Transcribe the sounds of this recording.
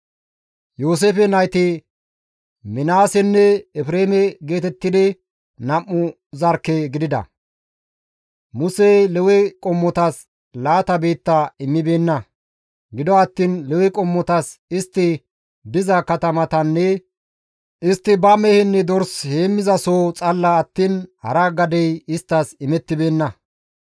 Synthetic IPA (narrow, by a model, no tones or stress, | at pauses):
joːs̬eːfɛnɐjt̪ɪ | mɪnaːsɛnːɛɛfɾeːmɛɡe̞ːt̪ɛt̪ːɪd̪ɪ | nɐmːʊ | zɐɾkːɛɡɪd̪ɪd̪ɐ̰ | mʊsɛlɛwɛkʼɔmːɔt̪ɐs | laːt̪ɐbe̞ːt̪ːɐɪmːɪbe̞ːnːɐ | ɡɪd̪ɔɐt̪ːiːnlɛwɛkʼɔmːɔt̪ɐsɪst̪ːɪ | bɪzɐkɐt̪ɐmɐt̪ɐnːɛ | ʔɪst̪ːɪbɐmɛhɛnːɛd̪ɔɾsheːmːɪzɐsoːt͡sʼɐlːɐːt̪ːiːnhɐ̰ɾaɡɐd̪ɛjɪst̪ːɐsɪmɛt̪ːɪbe̞ːnːɐ